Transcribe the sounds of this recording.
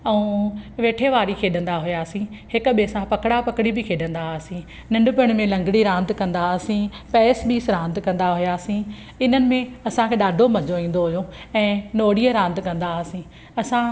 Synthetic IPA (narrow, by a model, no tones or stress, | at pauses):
ɛũːʋeːʈʰeʋaːɾikʰeːɗə̃nd̪aɦʊjaːsĩhɪkʊ̆ɓesãpɐkɽapɐkɽibɪkʰeːɗə̃nd̪aːsĩ | nɐ̃ɳɖʊpʊɽ̃mẽlɐ̃ŋɡɽiɾãːnd̪kɐ̃nd̪aːsĩ | pɛːsɓiːsɾãːnd̪kɐ̃nd̪aɦʊjaːsĩ | ɪn̤ənɪ̆mẽɐsãkʰeːɗaːɖʱomɐd͡ʑoĩːn̆d̪oɦʊjoɛ̃ːnoːɽiəɾãːnd̪kɐ̃nd̪aːsĩ | ɐsã